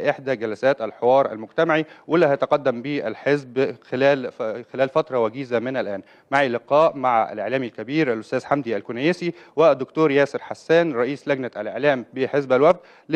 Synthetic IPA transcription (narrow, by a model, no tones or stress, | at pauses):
ʔeħd̪æɡælæsæːt̪ʔælħewɑːɾˤʔæ̰lmʊɡt̪æmaʕiwɪlːæhjt̪ɑqɑd̪ːæmbiːʔælħezbxelæːlxelæːlfæt̪ɾˤɑwæɡiːzæmɪnælʔæːn | maʕilɪqɑːʔmaʕaʔæ̰lʔḛʕlæːmilkæbiːɾʔælʔʊst̪æːzħamd̪iælkʊnæjesiwɪd̪ːʊkt̪uːɾjæːsɪɾħasːæːnɾˤɑʔiːslæɡnæʔæ̰lʔḛʕlæːmbeħezbælwæfd̪ | l